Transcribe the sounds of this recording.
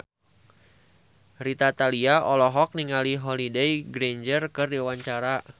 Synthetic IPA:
rit̪at̪aliaʔɔlɔɦɔk̚niŋaliɦɔlidejɡɾeɲd͡ʒərkɨrdiwaɲt͡ʃaɾa

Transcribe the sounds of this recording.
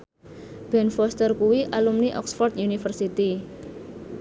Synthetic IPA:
b̥ɛnfɔst̪ərkuwiʔalumniʔɔ̰ksfɔrt̪junifərsit̪i

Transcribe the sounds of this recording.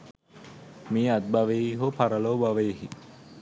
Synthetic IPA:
miːad̪̚baʋeɦopaɾɐloːbaʋeɦi

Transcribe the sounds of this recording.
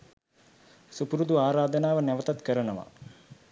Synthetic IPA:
supuɾud̪uaːɾaːd̪ənaːʋənæʋət̪at̪kəɾənəʋa̰

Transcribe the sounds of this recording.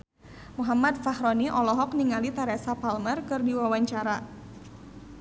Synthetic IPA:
muɦamad̪̚fahɾɔniʔɔlɔɦɔk̚niŋalit̪aɾɛsapalmərkɨrdiwawaɲt͡ʃaɾa

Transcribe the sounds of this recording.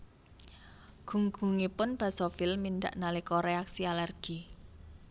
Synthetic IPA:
ɡ̥ṳŋɡ̥ṳŋipʊnb̥ä̤sɔfilmind̪a̰ʔnalikɔɾeaksialɛrɡ̥i

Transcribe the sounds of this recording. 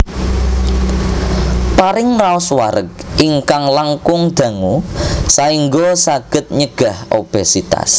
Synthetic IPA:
paɾɪŋraɔswaɾək̚iŋkaŋlaŋkʊŋd̪̥ä̤ŋusaiŋɡosaɡ̥ə̤t̪̚ɲəɡ̥a̤hob̥esit̪a̰s

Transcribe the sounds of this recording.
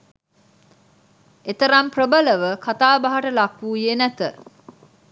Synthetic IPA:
et̪əɾɐmprəbələʋəkʰat̪aːbaɦaʈəlakːuːjenæt̪ə

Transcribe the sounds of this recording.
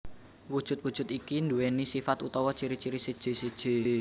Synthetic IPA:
wud̥ʒ̥ṳt̪̚wud̥ʒ̥ʊ̤t̪ikind̪uwenisifat̪ut̪ɔwɔt͡ʃiɾit͡ʃiɾisəd̥ʒ̥e̤səd̥ʒ̥e̤

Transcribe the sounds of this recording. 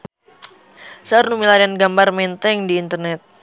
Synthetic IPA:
sarnumilaɾianɡambarmɛnt̪ɛŋdiːnt̪ərnɛt̪̚

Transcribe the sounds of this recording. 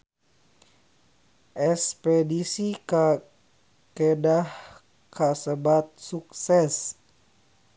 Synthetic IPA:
ʔɛspɾedisika | kedah | kʰasəbat̪̚suk̚sɛs

